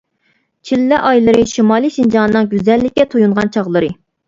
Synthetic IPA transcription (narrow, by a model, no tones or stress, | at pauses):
t͡ʃʰilːɛʔɑjlˠɨɾɨʃimɑːlˠɨʃind͡ʒɑnɨnɨŋɡʲyzɛlːɪkʲːɛt̪ʰojuɴʁɑnt͡ʃʰɑʁlˠɨɾɨ